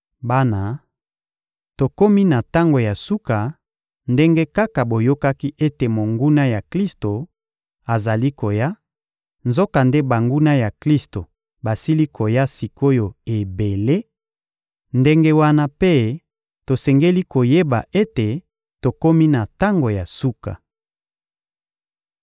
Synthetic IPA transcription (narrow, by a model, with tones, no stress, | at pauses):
ba˦na˨ | to˨ko˦mi˦na˨ta˦ŋɡo˨ja˨su˦ka˨ | nde˦ŋɡe˦ka˦ka˨bo˨jo˦ka˦ki˦ʔe˦te˨mo˨ŋɡu˦na˦ja˨kli˦sto˨ | a˨za˨li˦ko˨ja˦ | nzo˦ka˨nde˦ba˨ŋɡu˦na˦ja˨kli˦sto˨ | ba˨si˦li˦kʰo˨ja˦si˨kʰo˦jo˨e˨be˨le˦ | nde˦ŋɡe˦wa˦na˦pe˦ | to˨sɛ˨ŋɡe˦li˦ko˨je˦ba̰˨ʔe˦te˨ | to˨ko˦mi˦na˨ta˦ŋɡo˨ja˨su˦ka̰˨